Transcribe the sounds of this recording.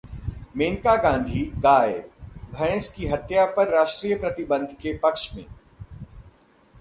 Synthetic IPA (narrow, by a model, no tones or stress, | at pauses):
meːŋkaɡãːnd̪ʱiɡaːebʱɛ̃ːskiɦɐt̪japɐɾːaːʃʈɾiːjəpɾɐt̪ɪbə̃nd̪ʱkepɐkʃmḛ̃ː